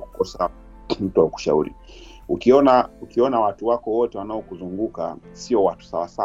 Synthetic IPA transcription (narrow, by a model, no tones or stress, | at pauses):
ku̥kɔsa | m̩tuwauku̥ʃa̰ṵɾḭ | ukiɔnaukiɔnawatuwakɔwɔtɛwanaɔkuzuŋɡuka̰ | siɔwatu̥sawasa